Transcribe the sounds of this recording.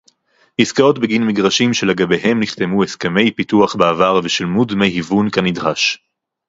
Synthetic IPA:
hiskao̞tbeɡinmiɡʁaʃimʃeleɡabeɦe̞mniχtemueskeme̞jpituaχbeavaʁveʃelmudmejhivunkanidʁaʃ

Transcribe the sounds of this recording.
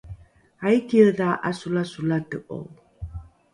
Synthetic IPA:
ajkiəðaʔa̰sulasulat̪ɨʔo̰w

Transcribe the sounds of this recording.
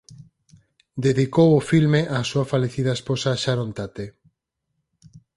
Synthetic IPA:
d̪eðikowofilmeʔasuafaleθiðɐesposaːʃaɾont̪at̪e

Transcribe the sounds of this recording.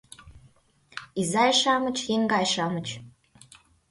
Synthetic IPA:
izɑjʃɑmə̆t͡ɕjeŋɡɑjʃɑmə̆t͡ɕ

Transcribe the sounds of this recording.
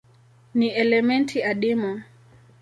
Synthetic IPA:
niʔɛlɛmɛntʰiaɗimu

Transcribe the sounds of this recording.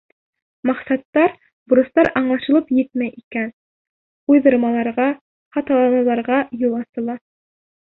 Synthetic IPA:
mɑqsɑt̪ːɑɾ | bŭɾɤ̆st̪ɑɾɑɴlˠɑʃɤ̆lˠɤpjɘt̪mæjʔikæn | ujðɤ̆ɾmɑlˠɑɾʁɑ | χɑt̪ɑlˠɑmɑlˠɑɾʁɑjulˠɑsɤ̆lˠɑ

